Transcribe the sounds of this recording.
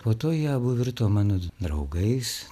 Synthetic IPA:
poːt̪oːjɛːbʊʋʲɪɾt̪oːmɑːnoːd̪ɾɐʊɡɐɪs

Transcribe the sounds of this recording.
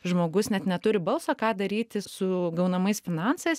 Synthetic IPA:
ʒmoːɡʊsnʲɛt̪nʲɛt̪ʊɾʲɪbɐlˠsoːkɑːd̪ɐɾʲiːt̪ʲɪsʊɡɐʊnɐmɐɪsfʲɪnɑnsɐɪs

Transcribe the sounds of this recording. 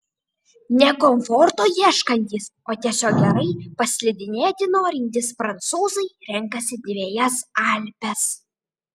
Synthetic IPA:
nʲɛkɔmfɔɾt̪oːjiɛʃkɐnʲt̪ʲiːs | oːt̪ʲiɛsʲoːk̚ɡʲɛɾɐɪpɐsʲlʲɪd̪ʲɪnʲeːt̪ʲɪnoːɾʲɪnʲt̪ʲɪspɾɐnt̪suːzɐɪɾʲɛŋkɐsʲɪd̪ʲʋʲeːjɛsɐlʲpʲɛs

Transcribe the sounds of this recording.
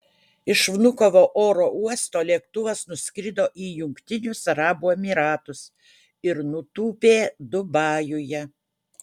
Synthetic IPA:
ɪʃʋnʊkoʋoːʔoːɾoːuɔst̪oːlʲiɛkt̪ʊʋɐsnʊsʲkʲɾʲɪd̪oːʔiːjʊŋkt̪ʲɪnʲʊsɐɾɑːbuːɛmʲiːɾɑːt̪ʊs | ɪɾnʊt̪uːpʲeːd̪ʊbɑːjʊjɛ

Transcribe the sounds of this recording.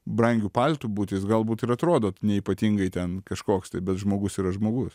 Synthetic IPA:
bɾɐŋʲɡʲuːpɐlʲt̪uːbuːt̪ʲɪsɡɐlˠbuːt̪ɪɾɐt̪ɾoːd̪oːt̪nʲɛiːpɐt̪ʲiŋɡɐɪt̪ʲɛnkɐʃkoːkst̪ɐɪbʲɛt̪ʒmoːɡʊsiːɾɐʒmoːɡʊs

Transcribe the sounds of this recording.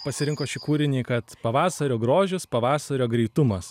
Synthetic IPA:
pɐsʲɪɾʲɪŋkoːʃʲɪkuːɾʲɪnʲeːkɐt̪pɐʋɑːsɐɾʲoːɡɾoːʒʲʊspɐʋɑːsɐɾʲoːɡɾʲɛɪt̪ʊmɐs

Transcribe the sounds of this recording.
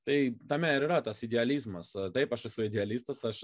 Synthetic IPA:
t̪ɐɪt̪ɐmʲæɪɾɨɾɐt̪ɐsɪdʲɪɐlʲizmɐst̪ɐɪpɐʃɐsʲuɪdʲɪɐlʲist̪ɐsɐʃ

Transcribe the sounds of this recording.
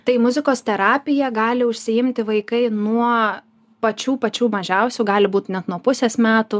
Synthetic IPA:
t̪ɐɪmʊzʲɪkoːst̪ʲɛɾɑːpʲɪjɛɡɑːlʲɪʊʃʲsʲɪɪmʲt̪ʲɪʋɐɪkɐɪnuɔ | pɐt͡ʃʲuːpɐt͡ʃʲuːmɐʒʲɛʊsʲuːɡɑːlʲɪbuːt̪nʲɛt̪nuɔpʊsʲeːsmʲæːt̪ʊ

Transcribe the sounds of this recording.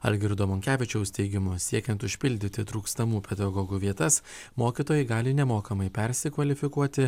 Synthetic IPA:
ɐ̰lʲɡʲɪɾd̪oːmɔŋʲkʲæːʋʲɪt͡ʃʲɛʊst̪ʲɛɪɡʲɪmʊsʲiɛkʲɛnt̪ʊʃʲpʲɪlʲd̪ʲɪt̪ʲɪt̪ɾuːkst̪ɐmuːpʲɛd̪ɐɡɔːɡuːʋʲiɛt̪ɐs | moːkʲiːˑt̪oːjɛɪɡɑːlʲɪnʲɛmoːkɐmɐɪpʲɛɾʲsʲɪkʋɐlʲɪfʲɪkuɔt̪ʲɪ

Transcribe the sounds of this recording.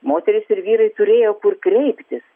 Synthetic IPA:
moːt̪ʲɛɾʲɪsɪɾʋʲiːɾɐɪt̪ʊɾʲeːjoːkʊrkɾʲɛɪpʲt̪ʲɪs

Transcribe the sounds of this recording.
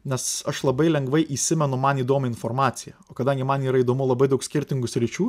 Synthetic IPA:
nʲɛsɐʃlˠɐbɐɪlʲɛŋɡʋɐɪʔiːsʲɪmʲɛnʊmɐniːd̪oːmʲɐɪnfoːɾmɑːsʲɪjɛoːkɐd̪ɐŋʲɡʲɪmɐniːɾɐiːd̪oːmʊlˠɐbɐɪd̪ɐʊksʲkʲɪɾʲt̪ʲɪŋɡʊsʲɾʲɪt͡ʃʲuː

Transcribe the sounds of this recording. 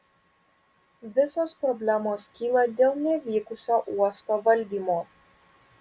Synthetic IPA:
ʋʲɪsoːspɾɔbʲlʲæmoːskʲiːlˠɐd̪ʲeːlˠnʲɛʋʲiːkʊsʲoːʔuɔst̪oːʋɐlʲd̪ʲiːmoː

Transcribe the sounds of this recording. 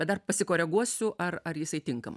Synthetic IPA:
bʲɛt̪d̪ɐrpɐsʲɪkoːɾʲɛɡuɔsʲʊʔɐrɐrjɪsɐɪt̪ʲɪŋkɐmɐ

